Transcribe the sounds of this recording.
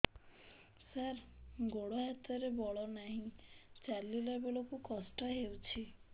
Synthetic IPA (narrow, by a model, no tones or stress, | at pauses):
saɾɡoɽɔɦat̪ɔɾebɔɭɔnaɦĩt͡ʃalilɔbelokukɔsʈɔɦewt͡ʃʰi